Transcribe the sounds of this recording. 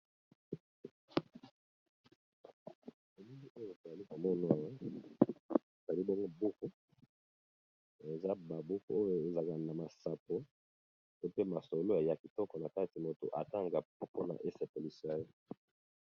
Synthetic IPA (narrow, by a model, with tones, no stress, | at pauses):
e˨mi˦ŋi˦o˦jo˦˨to˨za˨li˦ko˨mɔ˦na˦˨j | o˨za˨li˦bɔ˦ŋɡo˦bu˦ko˦ | e˨za˦ba˨bu˦ko˦o˦jo˦e˨za˨ka˨na˨ma˨sa˨po˨ | to˦pe˦ma˨so˨lo˦e˨ja˨ki˨tɔ˦kɔ˨na˨ka˦ti˨mo˨to̰˨ʔa̰˨ta˦ŋɡa˨˦po˦na̰˨ʔe˦se˨po˨li˦sa˦jo˦